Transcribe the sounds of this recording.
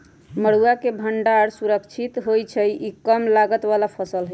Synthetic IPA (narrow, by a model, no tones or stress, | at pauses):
məɽ̤uakebʱəɳɖaɾsuɾəkt͡ʃʰit̪ɦojt͡ʃʰəjʔikəmlaɡət̪βalapʰəsəlɦə